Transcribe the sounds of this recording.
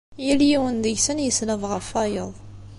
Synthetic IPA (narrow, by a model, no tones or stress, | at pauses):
jiljiwənd̪əʝsənjəslævʁəfæjəðˤ